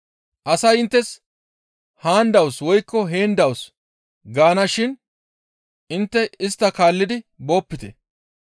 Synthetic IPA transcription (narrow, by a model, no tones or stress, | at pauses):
ʔɐsɐjɪnt̪ːɛs | haːnd̪ɐwswɔjkːɔɦe̞ːnd̪ɐws | ɡaːnɐʃɪn | ʔɪnt̪ːɛɪst̪ːɐkaːlːɪd̪ɪbo̞ːpːɪt̪ɛ